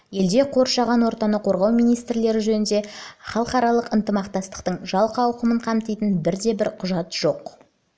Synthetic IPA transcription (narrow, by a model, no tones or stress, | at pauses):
je̞ld̪e̞qʰo̞ɾʃɑʁɑnwo̞ɾt̪ɑnəqʰo̞ɾʁɑwmijnijst̪ɾle̞ɾɪʒɵnɪnd̪e̞χɑlˠəqɑɾɑlˠəqənt̪əmɑqt̪ɑst̪ə̥qt̪əɴʒɑlˠqɑwqəməɴqʰɑmt̪ijt̪ənbɪɾd̪e̞bɪɾqʰʊʒɑt̪ʒ̥o̞q